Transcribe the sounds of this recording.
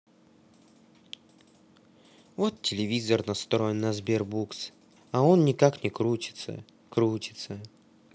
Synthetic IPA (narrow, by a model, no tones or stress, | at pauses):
vo̞t̪tʲɪlʲɪvʲizərnɐst̪ɾonːɐzbʲerbuks | ɐo̞nnʲɪkaknʲɪkɾut͡ɕɪ̥t̪sə̰ | kɾut͡ɕʲɪ̥t̪sə